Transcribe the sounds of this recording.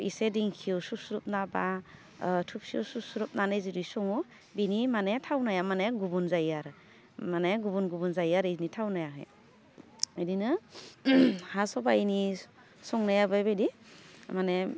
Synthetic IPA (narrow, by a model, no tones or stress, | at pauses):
ḭsediŋkʰiususuɾup̚naba | tʰup̚siuwsusuɾup̚nanejzidisɔŋu | binimanetʰawnajamaneɡubunzajaɾ | maneɡubunɡubɔnzajaɾinitʰawnajaɦɯ̰j | ajdinɯ | hasɔbajini | sɔŋnajabajbajdimane